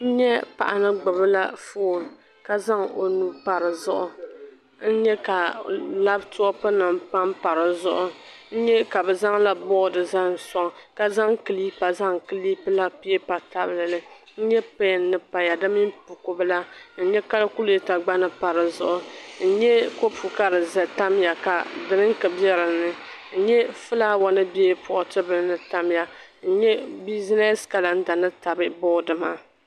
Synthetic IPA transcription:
n̩˦ɲɛ˦pa̰˨ʔa˨nɨ˦ɡ͡bɨ˨bɨ˦la˦foː˦˨ | ka˦za˦ŋo˨nu˦pa˨ɾɨ˨zʊ˦ʔʊ˦ | n̩˦ɲɛ˦ka˨la˦btʊ˦ɔ˦pɨ˦nɨ˨mpa˦mpa˨ɾɨ˨zʊ̰˦ʔʊ˦ | n̩˦ɲɛ˦ka˨bɛ˨za˦ŋla˦bɔ˦dɨ˨za˦n˨sɔ˦ŋ˨ka˦za˦ŋkɨ˨li˦pa˨za˦ŋkɨ˦li˦pɨ˦la˦pi˦ɛ˦pa˨ta˦bɨ˦lɨ˨lɨ˦ | n̩˦ɲɛ˦pe˦˨nː˦ɨ˨pa˨ja˨dɨ˦mi˦mpu˨ko˨bɨ˦la˦n̩˦ɲɛ˦ka˦lku˦le˦ta˨ɡ͡ba˦nɨ˨pa˨ɾɨ˨zʊ̰˦˨ʔʊ˨n̩˦ɲɛ˦ko˦pʰu˨ka˦ɾɨ˨zɛ˨ta˦mja˨ka˨dɨ˨ɾɨ˦ŋkɨ˨bjɛ˦ɾɨ˨nɨ˨ | n̩˦ɲɛ˦fɨ˦la˦wa˦nɨ˦bɛ˦pʊ˨ʔʊ˨tɨ˦bɨ˨˦nɨ˨ta˦mja˦n̩˦ɲɛ˦bi˦zi˦nɛ˦ska˨la˨n̩˦da˨nɨ˦ta˨bɨ˦bɔ˦dɨ˨ma˦

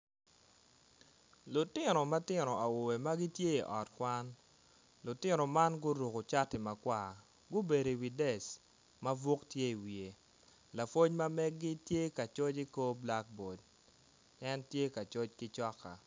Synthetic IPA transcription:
lʊ˨tɪ˦nɔ˨ma˦tɪ˦nɔ˨a˨wo˨e˨ma˦ɡɪ˦tje˦i˨ʔɔ˨tkwa˦n | lʊ˨tɪ˦nɔ˨ma˦nɡʊ˦ɾu˨ko˨t͡ʃa˦tɪ˨ma˨kwa˨ | ɡʊ˦be˨de˨wi˨dɛ˨s | ma˦vo˦ktje˦i˨wi˨e˨ | la˨fwo˦ɲma˦mɛ˦ɡːɪ˦tje˦ka˨t͡ʃɔ˦t͡ʃi˦ko˦bla˦k̚bo˨d̚ | ɛ˦ntje˦ka˨t͡ʃɔ˦t͡ʃkɪ˦t͡ʃɔ˦kːa̰˨

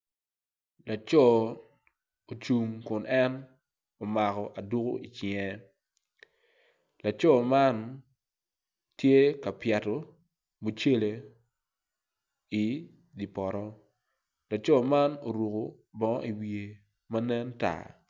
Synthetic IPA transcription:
la˨t͡ʃɔ˦˨ | o˨t͡ʃu˨ŋkʊ˨nʔɛ˦n | o˨ma˨kɔ˨ʔa˨du˦ko̰˦ʔi˨t͡ʃɪɛ˦ | la˨t͡ʃɔ˦˨ma˦n | tje˦ka˨pja˨to˨ | mu˨t͡ʃe˦le˨ | i˨ | di˨pɔ˨ɾɔ˦ | la˨t͡ʃɔ˦ma˦no˨ɾu˨ko˨ | bɔ˨ŋ̰˦ʔi˨wie˨ | ma˦nɛ˦nta̰˨

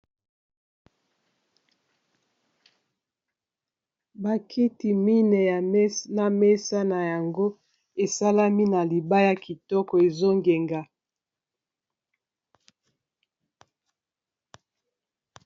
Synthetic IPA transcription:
ba˨kʰi˦ti˨mi˦nɛ˨ja˨˦na˨me˦sa˦na˨ja˨ŋɡo˦ | e˨sa˦la˦mi˦na˨li˨ba˦ja˨ki˨tɔ˦kɔ˨e˨zo˦ŋɡe˨ŋɡa˨

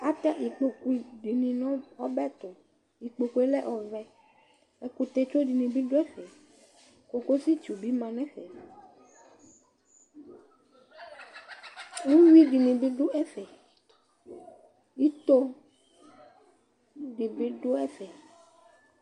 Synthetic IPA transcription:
a˦t̪ɛ˦ʔi˨k͡po˨ku˦ɖi˨nĩ˨nɔ̃˦ɔ˦bɛ˦t̪o˨ | i˨k͡po˨ku˨˦e˦lɛ˦ʔɔ˨vɛ˨ | e˦ku˨t̪e˦t͡ʃo˦ɖi˨nĩ˨bi˦ɖo˦ɛ˦fɛ˨ | ko˨ko˦si˦t͡ʃu˨bi˦mã˨nɛ̃˦ɸɛ˨ | ŋũ˦wi˦ɖi˨nĩ˨bi˦ɖo˦ʔɛ˦fɛ˨ | i˦t̪o˦ | ɖi˨bi˦ɖo˦ɛ˦fɛ˨

